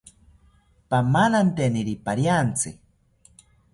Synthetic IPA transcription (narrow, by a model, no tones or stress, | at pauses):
pamalant̪eniɾipaɾjant͡sɨ